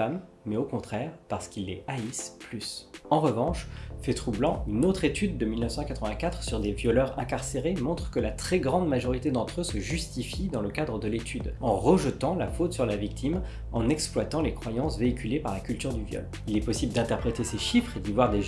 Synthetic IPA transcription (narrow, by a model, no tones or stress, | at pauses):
amː | ɛokɔ̃t̪χɛʁpaʁsə̥kʲilːeaisplysɑ̃ʁəvɑ̃ʃfɛt̪χublɑ̃ynot̪χet̪yd̪ːəmilnəfsɑ̃kat̪χəvɛ̃kat̪χsyʁd̪evjɔlœʁɛ̃kaʁseʁemɔ̃t̪χə̥kəlat̪χɛɡʁɑ̃d̪maʒɔʁit̪ed̪ɑ̃t̪χøsəʒyst̪ifid̪ɑ̃ləkad̪ʁəd̪əlet̪ʰyd̪ɑ̃ʁəʒət̪ɑ̃la̰fot̪syʁlavik̚t̪ʰim | ɑ̃nɛksplwat̪ɑ̃lekχwajɑ̃sveikʲʰylepaʁlakʲylt̪yʁd̪yvjɔ̰l | ilɛpɔsibld̪ɛ̃t̪ɛʁpχet̪eseʃifχed̪ivwaʁd̪e